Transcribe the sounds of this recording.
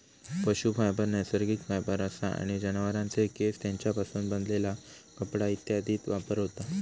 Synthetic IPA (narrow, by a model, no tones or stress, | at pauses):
pəɕufajbəɾnəjsəɾɡikfʰajbəɾəsa̰a̰ɽ̃id͡ʑənʋəɾãnt͡sekest̪jãɲt͡ɕjapasuːnbənd̪lela | kəpɽait̪jad̪ʱiːt̪ʋapəɾɦot̪a